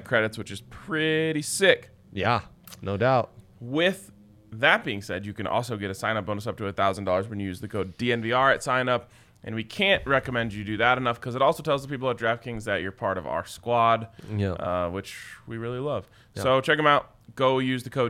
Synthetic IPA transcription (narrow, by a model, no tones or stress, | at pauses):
kʰɹ̥ɛɾɨtswɨt͡ʃɨz̥pʰɹ̥ɪɾisɪk | jæ | noʊdaʊt̚ | wɪð | ðɨt̚b̥iɪ̃ŋsɛdjɨkɨ̃nʔɔ̰lˠsoʊɡɛɾɨsãɪ̃nʌp̚b̥oʊ̃nəsʌp̚tʰɨɨθaʊzn̩dɔlˠə˞zwɨ̃njɨjʉzðɨkʰoʊddiɛ̃nviɑɹɨtsãɪ̃nʌp | ʔɨ̃nwikʰæ̃nʔɹɛkɨmɛ̃nd͡ʒɨɾɨðɨɾɨnʌfkʰʌzɨɾɔlˠsoʊtʰɛlˠzðəpipl̩ˠə˞dɹæfkɪ̃ŋzðɨt͡ʃə̰˞pʰɑɹɾʌva̰ə˞skwɑd̚ʔʌwɨt͡ʃwiɹɪlˠilʌv̥ | soʊt͡ʃʰɛkɨ̃maʊt̚ | ɡ̥oʊjʉzðɨkʰoʊ